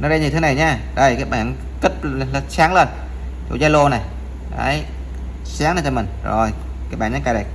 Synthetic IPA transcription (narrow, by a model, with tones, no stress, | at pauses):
nɔ˧˦ɗə˧ɲi˨˩t̪ʰɨ˨˦na˨˩jɲaː˧ | ɗə˧˩jkaː˦˥ɓaː˧˩˨n | kə˦˥tp̚lsaː˨˦ŋləː˧n | t͡ɕo̰˧˩zaː˧˦lo˧na˨˩j | ɗa̰ː˧˨˧j | saː˨˦ŋə˧˩t͡ɕɔ˧mï˨˩ŋ̟zo˨˩j | kaː˧˦˥k̚ɓaː˧˩ɲa˧˦kaː˧˩ɗə˨˩j